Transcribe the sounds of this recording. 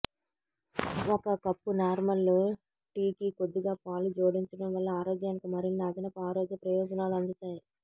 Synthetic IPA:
ɔkɐkɐpːunaːɾmɐlːu | ʈiːkikod̪ːiɡaːpaːlud͡ʒoːɽiɲt͡ʃɐɽɐmʋɐlːɐaːɾoːɡjaːnikimɐɾinːɐːd̪inɐpuaːɾoːɡjɐpɾɐjɔːd͡ʒɐnaːluɐnd̪ut̪aːji

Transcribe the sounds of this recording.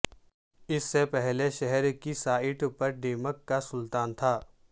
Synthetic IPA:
ɪsːepɛɦleʃɛɦɛɾkisaːɪʈpɐɾɖeːməkːasʊlt̪aːnt̪ʰaː

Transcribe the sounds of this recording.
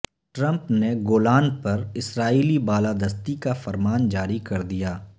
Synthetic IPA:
ʈɾə̃mpneɡoːlaːnpɐɾɪsɾaːiːlibaːlaːd̪əst̪ikafɐɾmaːnd͡ʒaːɾikɐɾd̪ijaː

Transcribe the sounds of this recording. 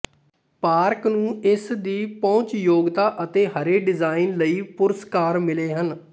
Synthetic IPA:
paːɾknũːɪsd̪iːpɔ̃ːt͡ʃjoːɡt̪aːʔət̪eːɦəɾeːɖɪzaːɪnləiːpʊɾəskaːɾmɪleːɦən

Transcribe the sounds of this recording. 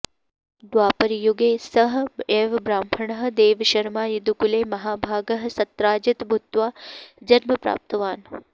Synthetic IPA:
d̪waːpɐɾijuɡeːsɐɦeʋbɾaːmpʰɐɳɐɦ̆d̪eːʋʃɐɾmaːjid̪ukuleːmɐɦaːbʱaːɡɐɦsɐt̪ɾaːd͡ʒit̪bʱut̪ːʋaːd͡ʒɐɾmɐpɾa̰ːp̚t̪ɐʋaːn

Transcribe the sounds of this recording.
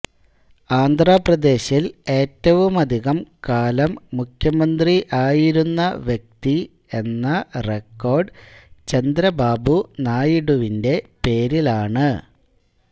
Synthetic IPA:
aːnd̪ʱraːprɐd̪e̞ːɕile̞ːtːɐʋumɐd̪ʱiɣɐmkaːlɐmːukʰjɐmɐnd̪riʔaːjiɾunːɐʋjɐk̚t̪i | e̞nːɐrekːo̞ːrɖt͡ɕɐnd̪ɾɐbaːbunaːjiɽuʋinde̞pe̞ːɾilaːɳɨ

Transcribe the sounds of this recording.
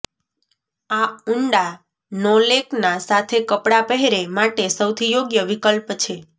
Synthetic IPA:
auɳɖa | nɔleknasat̪ʰekəpɽapəɦeɾemaʈesəwt̪ʰijoɡjəʋikəlpt͡ʃʰe

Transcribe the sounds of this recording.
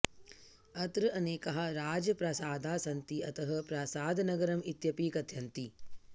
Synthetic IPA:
ɐt̪ɾɨʔɐneːkɐɦɐ̆ɾaːd͡ʒɐpɾɐsaːd̪ʱaːsɐnt̪iɐt̪ɐɦɐ̆pɾaːsaːd̪ʱɐnɐɡɐɾɐmit̪jɐpiːkɐd̪ʱjɐnt̪i

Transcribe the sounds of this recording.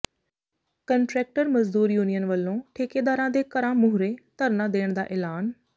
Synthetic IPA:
kɐ̃ɳʈɾeːk̚ʈəɾmɐzd̪uːɾjuːnijənʋɐlːõʈʰeːked̪aːɾãd̪eːkɐɾãmʊɦʊɾet̪ɐɾnãd̪eːɽ̃d̪aːʔeːlaːn

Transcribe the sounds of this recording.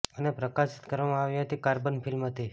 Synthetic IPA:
ənepɾəkasɪ̥t̪kəɾʋamãaʋjĩɦət̪ikaɾbənpʰɪlmət̪ʰi

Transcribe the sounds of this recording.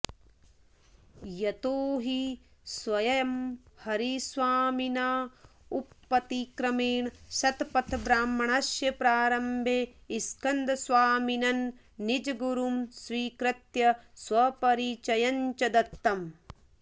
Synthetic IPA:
jɐt̪oːɦi | sʋɐjɐɐmhɐɾisʋaːminaː | upːɐt̪ikɾɐmeːɳʃɐt̪pɐt̪ʰbɾaːmːɐɳɐʃjɐpɾaːɾɐmbʱeːiskɐnd̪ɐsʋaːminɐnː | id͡ʒɐɡuɾumsʋiːkɾɐt̪jɐsʋɐpɐɾiːt͡ʃɐjɐɲt͡ʃɐd̪ɐt̪ːɐm

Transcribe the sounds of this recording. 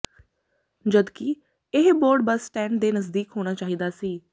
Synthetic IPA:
d͡ʒəd̪kɪ | ɪɦboːɾɖ̚bəsːʈɛ̃ːɳɖ̚d̪eːnəzd̪iːkɦoːɽ̃aːt͡ʃaːɦiːd̪aːsiː

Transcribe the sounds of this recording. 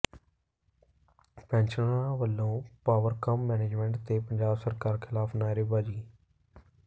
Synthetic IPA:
pɛ̃ːnt͡ʃəãːʋəlːõːpaːʋəɾkəmːɛːneːd͡ʒmɛ̃ɳʈt̪eːpəɲd͡ʒaːbsəɾkaːɾkʰɪlaːpʰnaːɪɾɪbaːd͡ʒiː

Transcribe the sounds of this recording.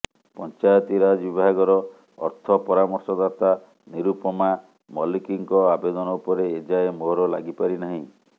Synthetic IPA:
pɔnt͡ʃajɔt̪iɾad͡ʒbibʱaɦaɡɔɾɔ̰ː | ɾt̪ʰɔpɔɾamɔɾsɔd̪at̪a | niɾupɔma | mɔlikiŋkɔabed̪ɔnɔupɔɾeːd͡ʒaemoɦɾɔlaɡipaɾinaɦĩ

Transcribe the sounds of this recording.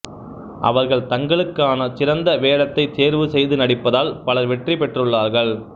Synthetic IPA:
ʔɐ̰ʋɐɾɣɐɭt̪ɐŋɡɐɭɯkːaːnɐt͡ʃɪɾɐnd̪ɐʋeːɽɐt̪ːɐɪt̪ːeːɾʋɯsɛjðɯnɐɽɪpːɐðaːlpɐlɐɾʋɛʈripɛʈrɯɭːaːɾɣɐɭ

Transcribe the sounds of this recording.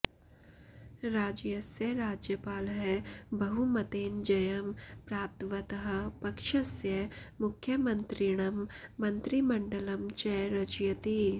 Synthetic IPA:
ɾaːd͡ʒjɐsjəɾaːd͡ʒjəpaːlɦɛbɐɦumɐt̪eːnd͡ʒɐjɐmpɾaːp̚t̪ʋɐt̪ɐɦɐ̆pɐkʃɐsjɐmʊkʰːjəmɐ̃nt̪ɾiɽ̃ɐmːɐ̃nt̪ɾimɐɳɖəlɐmt͡ʃɐjɾɐd͡ʒjɐt̪i

